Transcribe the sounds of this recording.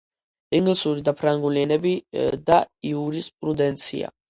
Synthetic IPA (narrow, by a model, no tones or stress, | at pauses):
iŋɡlisuɾid̪apʰɾaŋɡuliɛnɛbid̪aiuɾispʼɾud̪ɛnt̪sʰḭa̰